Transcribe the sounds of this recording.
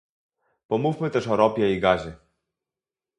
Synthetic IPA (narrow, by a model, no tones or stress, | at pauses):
pɔmufmɘt̪ɛʂɔɾɔpʲjɛiɡaʑɘ